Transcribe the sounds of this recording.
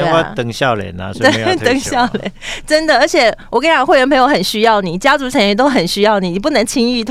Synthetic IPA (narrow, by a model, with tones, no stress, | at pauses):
a˥˧t̪ə˨˩ŋɕjɑ˥˩ʊljɛ̰˨˩˦na̰˧˦t̪ə˨˩ŋɕjɑ˥˨ʊljɛ̰˨˧˦nnʈ͡ʂə˥nd̪ə˨ə˞˧˥t͡ɕʰjɛ˨˩wɔ˨˩ka˥jɑ˨ŋ˦xwe˥˩ɥɛ˧˥npʰɤ˧˥ŋjxə˨˩nɕy˥jɑ˥˩ʊni˨˩t͡ɕja˥t͡su˧˥ʈ͡ʂʰa˨˧˦n˥ɛ˥˧t̪o˥ʊxə˨˩nɕy˥jɑ˥˩ʊni˨˩˨p̬u˥˩nə˧˥ŋt͡ɕʰi˥ŋy˥˧t̪ʰ